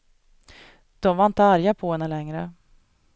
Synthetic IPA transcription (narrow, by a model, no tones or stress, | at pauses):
d̪̥ɔmvaɾɪnt̪əaɾjapʰɔɦɛnːəlɛŋɾə